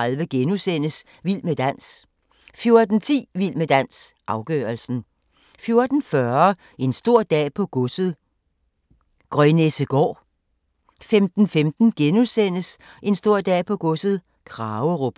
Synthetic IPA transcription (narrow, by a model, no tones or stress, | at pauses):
alʋəɡ̥enusen̰əs | ʋilməd̥æn̰s | fjo̝ɐd̥n̩t͡sʰḭːʋil̰məd̥æn̰sʔɑ̈ʊɡ̥œːɐlsn̩ | fjo̝ɐd̥n̩fɶɐ | e̝nsd̥o̝ɐ̰d̥ɛ̰ːpʰɒ̽ɡ̥ɔsð̩ˠ | ɡ̥ʁœnesəɡ̥ɒ̰ː | femd̥n̩femd̥n̩ɡ̥enusen̰əs | ʔe̝nsd̥o̝ɐ̰d̥ɛ̰ːpʰɒ̽ɡ̥ɔsð̞̩ˠ | kʰʁɑ̈ːʊəʁob̥